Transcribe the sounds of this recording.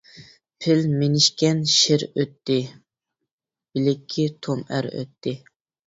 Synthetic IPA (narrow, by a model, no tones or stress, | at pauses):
pʰɪlmenɪʃkʲɛnʃɪɾøt̪ʰːɪ | b̥ɪlɪkʲʰːit̪ʰomæ̰ɾø̰t̪ʰːɪ